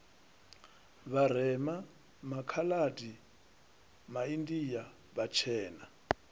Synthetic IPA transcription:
βaɾ̤ɛma | makʰaladi | maindija | βat͡ʃʰɛːna

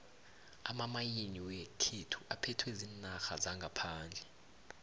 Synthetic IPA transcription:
amamajiniwekʰetʰu̥ʔapʰɛtʰweziːnaxazaŋɡʱapʰaːnd͡ɮʱɛ

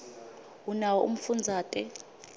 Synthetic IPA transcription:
unawɔṵm̩fund͡zʱaːtʼɛ

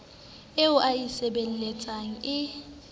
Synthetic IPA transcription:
eʊʔajisɛɓelilɛt͡sʼaŋ̩ɪ

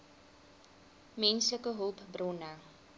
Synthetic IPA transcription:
mɛnsləkəɦupbrɔna

